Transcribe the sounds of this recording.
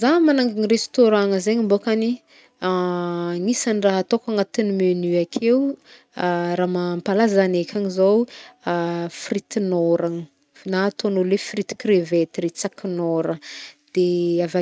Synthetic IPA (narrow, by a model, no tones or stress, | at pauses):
zamanaŋɡiŋirest̪oɾaŋəzeɲimbokani | aŋisanraɦat̪okaŋat̪inimenyakʰew | ɾamampalazanekʲʰaŋizow | frit̪inoɾaŋ | nat̪onolefrit̪i̥krevet̪ɾet͡sakinoɾəd̪̥eava